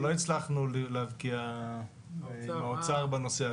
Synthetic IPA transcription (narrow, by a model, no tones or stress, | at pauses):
lo̞it͡slaχnulileavkia | aot͡saʁbano̞sea